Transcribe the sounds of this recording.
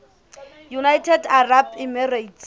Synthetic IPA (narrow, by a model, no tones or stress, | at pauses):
junajtʰɛdarabimɛrajtʰ